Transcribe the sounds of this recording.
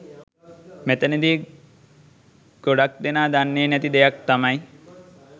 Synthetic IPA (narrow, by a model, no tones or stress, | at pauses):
met̪ɐned̪i | ɡoɽak̚d̪enaːd̪anːenɛt̪id̪ɛjak̚t̪amaj